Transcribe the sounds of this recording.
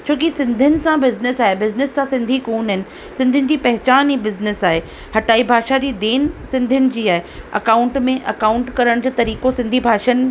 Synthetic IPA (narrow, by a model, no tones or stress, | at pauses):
t͡ɕʰoːkisɪ̃nd̪ʱənɪ̆sãbɪznɪsaːɦebɪznɪsːãsɪ̃nd̪ʱikuːnɦɪnɪ̆ | sɪ̃nd̪ʱʊnɪ̆d͡ʑiːpɐɦɪt͡ɕaːnibɪznɪsaːɦe | hɐʈaːibʱaːʃad͡ʑiːd̪eːnsɪ̃nd̪ʱʊnɪ̆d͡ʑiːaːɦeɐ̰kaːʊ̃ɳʈmẽʔɐkaːʊ̃ɳʈkɐɾəɽ̃d͡ʑoːt̪ɐɾiːkosɪ̃nd̪ʱibʱaːʃən̆